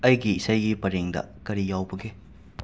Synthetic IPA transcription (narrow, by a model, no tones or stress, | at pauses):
ɐjɡiisajɡipɐɾeŋdɐ̰kɐɾijawbɐɡe